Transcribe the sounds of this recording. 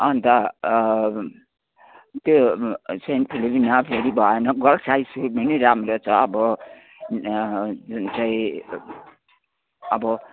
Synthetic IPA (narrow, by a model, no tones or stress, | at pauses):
ʌnt̪ʌ | t̪josen̚pʰilibʱinapʰeɾibʱʌenʌɡʌlsajsuɾminiɾamɾot͡sʰʌːbʌ | d͡zunt͡saĩ | ʌbʌ